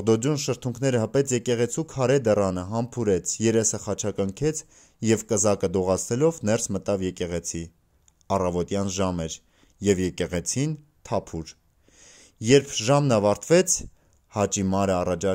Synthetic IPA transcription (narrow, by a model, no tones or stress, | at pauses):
ʁd̪ɔd͡ʒjunʃəɾt̪ʰuŋkʰn̪ɛɾəɦəpɛt͡sʰjɛkɛʁɛt͡sʰukʰɑɾɛd̪ɛrɑnəɦɑmpʰuɾɛt͡sʰjɛɾɛsəχɑt͡ʃʰɑkəŋkʰɛt͡sʰ | jɛvkəzɑkəd̪ɔʁɑt͡sʰnɛlɔvnɛrsmət̪ɑvjɛkɛʁɛt͡sʰi | ɑrɑvɔt̪jɑnʒɑmɛɾ | jɛvjɛkɛʁɛt͡sʰin | t̪ʰɑpʰuɾ | jɛɾpʰʒɑmnɑvɑɾt̪ʰvɛt͡sʰ | hɑt͡ʃimɑɾəɑrɑt͡ʃɑ